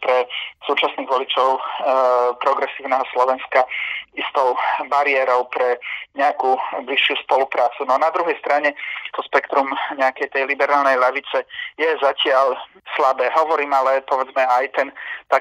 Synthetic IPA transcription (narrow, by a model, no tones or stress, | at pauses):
pɾɛsuːt͡ʃasniːɣʋɔlit͡ʃɔʊ | pɾɔɡɾɛsiːʊnɛːɦɔslɔʋɛnskaist̪ɔʊbaɾiɛːɾɔʊpɾɛɲɛakuːbliʃːjuspɔlupɾaːt͡sunɔnad̪ɾuɦɛjst̪ɾaɲɛt̪ɔspɛkt̪ɾumɲɛakɛjt̪ɛjlibɛɾaːlnɛjlɛʋit͡sɛjɛzacɪal | slabɛːɦɔʋɔɾiːmalɛpɔʋɛd͡zmɛajt̪ɛnt̪a